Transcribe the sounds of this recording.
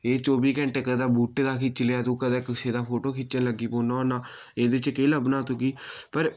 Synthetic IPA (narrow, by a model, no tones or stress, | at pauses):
eːt͡ʃoːbiːkɛ̃ɳʈeːkəd̪aːbuːʈːd̪aːkit͡ʃəlejaːt̪ũːkəd̪ɛːkɪseːd̪aːpʰoːʈoːkʰɪt͡ʃənləɡːiːpoːnaːonaːeːd̪et͡ʃkeːləbnaːt̪ukiːpəɾ